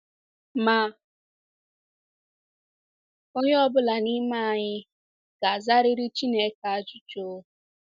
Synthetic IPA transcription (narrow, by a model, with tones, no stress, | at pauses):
ma˦˨ | o˦ɲɪ˦ɔ˦bʊ˦la˨ni˦ma˦˨a˨ɲɪ˦ | ɡ̥a˨za˦ɾɪ˦ɾɪ˦t͡ʃi˦ne˦ka˨a˨d͡ʒʊ˦t͡ʃo˦